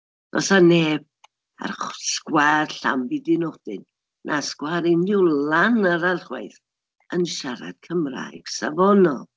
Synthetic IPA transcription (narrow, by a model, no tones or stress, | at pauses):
dɔsaneːb̚ | a̰rχskwarɬa̰mbidinɔχd̥ɪ̰n | nʔaskwaɾɪnɪwlanəɾarχwa̰ɨθ | ənʃaɾa̰d̥̚kʰəmra̰jɡ̥savɔnɔ̰lˠ